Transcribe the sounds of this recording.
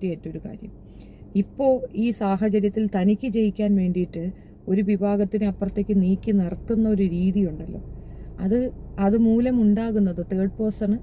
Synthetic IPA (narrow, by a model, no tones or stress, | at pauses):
tːijajitːo̞ɾuka̰ːɾjɐ̰m | ipːo̞ːɭiːsaːɦɐt͡ɕɐɾjɐt̪ːilt̪ɐnikʲːɨt͡ɕe̞jikʲːaːnʋe̞ːɳɖijiʈːɨ | o̞ɾuʋibʱaːɣɐt̪ːinɨɐpːrɐt̪ːe̞ːkʲːɨniːkʲːɨnirt̪ːunːɐo̞ɾuɾiːðijuɳɖɐlːo̞̰ːɐðɨɐðɨmuːlɐmuɳɖaːɣunːɐðɨt̪eːɖ̚po̞ːsɐɳɨ